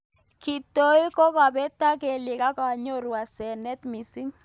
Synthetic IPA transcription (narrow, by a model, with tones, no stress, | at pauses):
ki˨to˦i˦kɔ˦ka˨pɛ˦ta˦ke˨lɪ˨ka˦ka˨ɲo˦ɾwa˨sɛ˨nɛ˦t̪mi˨si˦ŋ